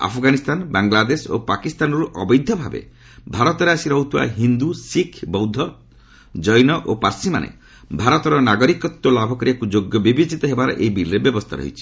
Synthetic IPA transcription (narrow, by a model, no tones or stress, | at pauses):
a̰pʰɔɡanist̪ʰanbaŋɡlad̪eso̰pakist̪anɔɾuʔɔbɔjd̪ʱjɔbʱabḛ | bʱaɾɔt̪ɔɾeasiɾɔɦut̪ʰua̰ɦind̪usikʰbɔwd̪ʱɔ | d͡ʒɔjnɔʔopaɾsima̰nʔḛ | bʱaɾɔt̪ɔɾɔnaɡɔɾikɔt̪ːɔlabʱɔkɔɾiakud͡ʒoɡjɔbibit͡ʃit̪ɔɦebaɾɔ̰ʔejbilɾebjɔbɔst̪ʰa̰ɾɔ̰ɦḭt͡ʃʰi̥